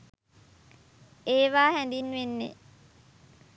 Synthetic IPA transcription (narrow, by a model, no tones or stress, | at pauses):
eːʋaːɦænd̪inːʋenːḛ